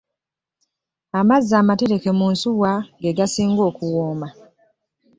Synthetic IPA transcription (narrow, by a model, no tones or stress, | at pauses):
amazːaːmate̞ɾe̞ke̞munsuwaɡe̞ɡasiːŋɡo̞ːkuwoːma